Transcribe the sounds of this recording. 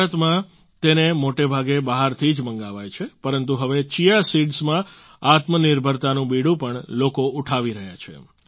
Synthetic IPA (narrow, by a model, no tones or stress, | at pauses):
ət̪mã | t̪enemoʈebʱaɡebaɦaɾt̪ʰid͡ʒməŋɡaʋajt͡ʃʰepəɾənt̪uɦəʋet͡ʃijasiɖsmã | at̪məniɾbʱəɾt̪anũbiɽũpəɳlokouʈʰaʋiɾəɦja̰t͡ʃʰḛ